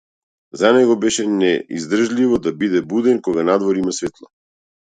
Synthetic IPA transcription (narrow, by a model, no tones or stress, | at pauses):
zanɛɡɔbɛʃɛnɛḭzd̪r̩ʒlʲivɔd̪abid̪ɛbud̪ɛnkɔɡanad̪vɔɾimasvɛt̪lˠa